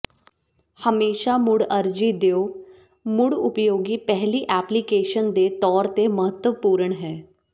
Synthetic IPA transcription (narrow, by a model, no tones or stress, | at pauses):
həmeːʃaːmʊɽəɾd͡ʒiːd̪eoː | mʊɽʊpjoːɡiːpɛɦliːʔɛːplikeːʃənd̪eːt̪ɔːɾt̪eməɦət̪ːəʋpuːɾəɳɦɛː